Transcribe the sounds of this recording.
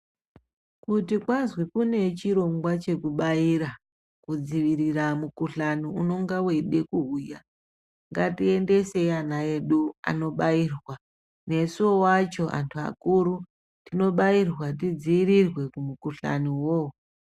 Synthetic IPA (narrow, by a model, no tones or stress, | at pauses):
kutikwanzwikune̞t͡ʃiɾo̞ŋɡwat͡ʃe̞kuɓaiɾa | kud͡ziʋiɾiramukuɬaniuno̞ŋɡawe̞ɗe̞kuɦuja | ŋɡatie̞nde̞se̞anaeɗua̰no̞ɓairwa | ne̞suowat͡ʃo̞ʔa̰ntʰua̰kuɾu | tino̞ɓairwat̬id͡ziirirwe̞kumukuɬa̰niwo̞